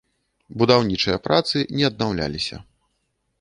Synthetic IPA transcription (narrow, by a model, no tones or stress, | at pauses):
bud̪awnʲit͡ʂɨjɐpɾat̪sɨnʲɛɐd̪nawlʲa̰lʲisʲɐ̰